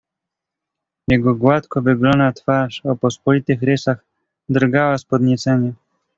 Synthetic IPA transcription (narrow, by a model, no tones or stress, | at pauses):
jɛɡɔɡwat̪kɔvɘɡlɔnat̪faʂɔpɔspɔlʲit̪ɘxɾɘsax | d̪ɾɡawaspɔd̪ɲɛt͡s̪ɛɲɛ